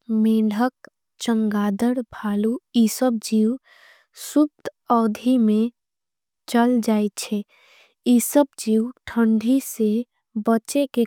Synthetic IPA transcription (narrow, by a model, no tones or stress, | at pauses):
mẽːɖʱək̚ | t͡ʃə̃ŋɡaːd̪əɾbʱaluisəb̚d͡ʒiw | sub̚t̪ɔːd̪ʱimẽ | t͡ʃəld͡ʒaːet͡ʃʰɛ | isəb̚d͡ʒiwʈʰəɳɖʱise | bət͡ʃeke